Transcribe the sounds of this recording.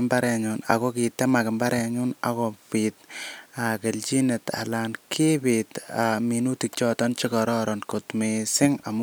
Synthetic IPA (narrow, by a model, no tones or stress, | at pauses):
mbaɾɛɲuna̰kɔkitɛmakɪmbaɾʔɛɲuna̰kɔpit̚akelt͡ʃineta̰lankʰepitaminutik̚t͡ʃɔtɔnt͡ʃikɔɾɔɾɔnkotmesɪŋam